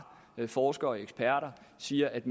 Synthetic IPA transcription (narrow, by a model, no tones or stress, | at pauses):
fɒːsɡ̥ɐɒeɡ̥sb̥ʰæɐ̰ɾɐsiːɐʔæd̥m